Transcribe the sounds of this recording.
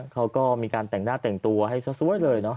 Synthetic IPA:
kʰa˦˥wkɔː˥˩miː˧kaː˧nt̪ɛ˨˩ŋnaː˥˩t̪ɛ˨˩ŋt̪u˧ɐɦa˥˩jsa˧˦˥su˦˥ə˦jlɤː˧jnɔ˦˥

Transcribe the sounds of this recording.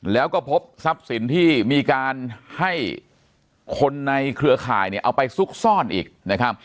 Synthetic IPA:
lɛː˦˥wkɔː˥˩pʰo˦˥p̚sa˦˥p̚si˨˩˦nt̪ʰiː˥˩miː˧kaː˧nha˥˩j | kʰo˧nːa˧jkʰɾɯ˧ɐkʰa̰ː˨˩jni˥˩ʔa˧wpa˧jsu˦˥k̚sɔː˥˩nʔḭː˨˩k̚na˦˥kʰa˦˥p̚

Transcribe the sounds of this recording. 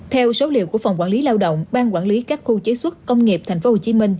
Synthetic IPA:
t̪ʰɛ˧wso˨˦lḭ˧˨əwku˧˩əfə˨˩wŋ͡mkwaː˧˩nli˨˦laː˧wɗə̰˧˨wŋ͡mɓaː˧nkwaː˧˩nli˨˦kaː˦˥k̚xu˧t͡ɕə˨˦jswə˦˥t̚kə˧wŋ͡mŋi˨˩p̚t̪ʰjŋ̟fo˨˦˥ho˨˩t͡ɕi˨˦mï˧ŋ̟

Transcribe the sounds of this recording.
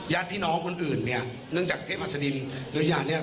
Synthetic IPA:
jaː˦˥˩n̚pʰiː˥˩˨nɔː˦˥ŋkʰo˧nʔɯː˨˩nːi˦˥˩ɐ | nɯ˥˩ŋt͡ɕaː˨˩k̪̚ʰe˥˩mʔaː˨˩tsa˧di˧nlɛ˦jaː˧˩ni˥˩ɐ

